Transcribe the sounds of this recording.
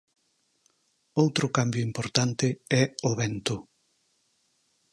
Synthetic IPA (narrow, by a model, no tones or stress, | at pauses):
owt̪ɾʊkambjʊimpoɾt̪ant̪ɪɛoβɛnt̪ʊ